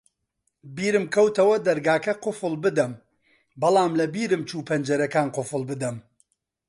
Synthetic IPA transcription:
biːɾɨmkʰɐwt̪ɐwɐd̪ɐɾɡaːkɐqʊfɨlˠbɨd̪ɐm | bɐlˠaːmlɐbiːɾɨmt͡ʃuːpʰɐnd͡ʒɐɾɐkaːnqʊfɨlˠbɨd̪ɐm

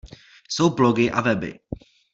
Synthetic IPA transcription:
sowblɔɡɪʔa̰vɛbɪ̰

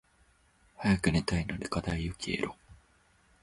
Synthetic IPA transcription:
hajakɯ̟net̪ainod̪ekat̪aijokʲiḛɾo

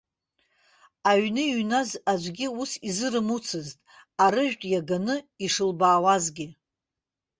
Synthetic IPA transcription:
aɥnɨɥnazad͡ʒʷɡʲiusizɨɾɨmut͡sʰɨztʼ | aɾɨʒᶣtʼjaɡanɨiʂɨlbaːwazɡʲɪ

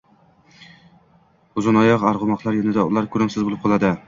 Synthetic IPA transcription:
ʊzɪnɒjɒqaɾʁʊmɒqlˠaɾjɒnɪd̪aʊlˠaɾkʰɵɾɪmsɪzbolˠɪp̚qʰɒlˠad̪ɪ

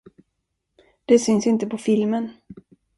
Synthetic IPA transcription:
d̪̥ɛsʏnsɪnt̪əpʰɔfɪlmən

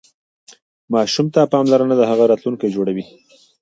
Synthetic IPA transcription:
mɑʃumt̪apɑmlaɾənad̪əɦaɣaɾɑt̪luŋkajd͡ʒoɽawi

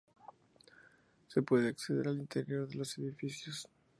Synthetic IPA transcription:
se̞pwe̞ðeakseðe̞̰ɾalint̪e̞ɾjo̞ɾðe̞lo̞seðifisjos

